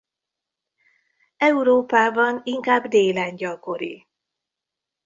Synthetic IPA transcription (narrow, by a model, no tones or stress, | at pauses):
ɛuɾoːpaːbɒniŋkaːbd̪eːlaːɲɟɒko̞ɾḭ